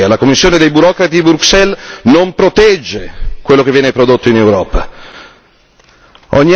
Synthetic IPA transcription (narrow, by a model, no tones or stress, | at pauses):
alakomːisːjoːned̪ejbuɾɔːkɾat̪iibɾuksɛlnompɾot̪ɛd͡ʒːekwelːok̟evːjɛːnepɾod̪ot̪ːoinewɾɔːpa | ɔɲːi